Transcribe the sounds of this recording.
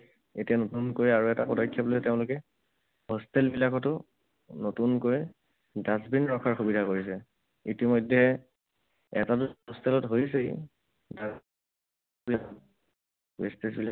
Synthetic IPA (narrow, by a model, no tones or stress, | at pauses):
etijanotunkoɹjaɹuɛtapɔdajkʰːjɔblteʊ̃lʊkɛ | hɔstʰɛlbilakʰɔtʊ | notunkoɹj | dazbinɹɔkʰaɹxubidʱakoɹis̬ɛ | ḭtimɔjdʱːɛ | ɛ̰tatʊɦɔstʰɛlɔtɦojs̬e | da | bilaɔ | bestesbila